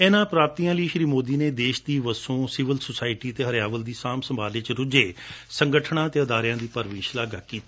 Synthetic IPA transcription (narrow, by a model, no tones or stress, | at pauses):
ɛːnãːpɾaːp̚t̪iːãːliːʃɾiːmoːd̪iːneːd̪eːʃd̪iːʋəsõːsɪʋəlsosaːɪʈiːt̪eːɦəɾjaːʋəld̪iːsaːmsəmbʱaːlɪt͡ʃɾʊd͡ʒeːsəŋɡəʈʰnãːt̪eːəd̪aːɾjãːd̪iːpəɾʋĩːʃlaːɡaːkiːt̪aː